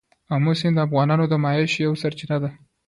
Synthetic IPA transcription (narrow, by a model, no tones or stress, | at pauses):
amʊsɪnd̪əafɣɑnɑnod̪əmɑjeʃjawsaɾt͡ʃɪnad̪a